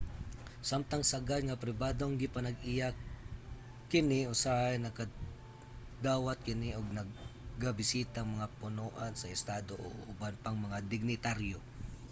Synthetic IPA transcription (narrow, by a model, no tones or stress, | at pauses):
samt̪aŋsaɡat̪ŋapɾɪbaːd̪oŋɡɪpɐnɐɡɪja | kɪnɪosaʔajnɐka | d̪aːwat̪̚kɪnɪʔoɡ̚nɐɡːabɪsiːt̪aŋmɐŋapʊnoːʔansɐɪst̪aːd̪oʔo̰ʔʔʊbanpaŋmɐŋad̪ɪɡ̚nɪt̪aɾjo